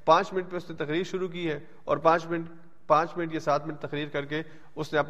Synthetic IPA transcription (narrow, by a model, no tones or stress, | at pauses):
pãːt͡ʃmɪnəʈ̚peʊsnet̪ɐqɾiːɾʃʊɾuk̬iɦɛː | ɔ̰ːɾpãːt͡ʃmɪ | pãːt͡ʃmɪnəʈkesaːt̪ʰmɪnʈ̚t̪ɐqɾiːɾkɐɾk̬e | ʊsneɐp